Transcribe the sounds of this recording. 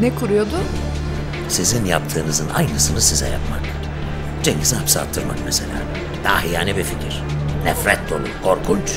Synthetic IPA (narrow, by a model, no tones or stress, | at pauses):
nɛkʰuɾujod̪ʊ | sizinjapt̪ʰɯːnɯzɯnʔa̰jnɯsɯnɯsizɛ̰ja̰pmak | d͡ʒeŋɟiziɦapsa̰ːt̪ʰːɯɾma̰kmese̞lʲa̰ː | d̪̥aahijaːnʲibificʰiɾ̥nɛfɾɛt̪̚d̪o̞̰lˠṵpkʰo̞ɾkʰunt͡ʃ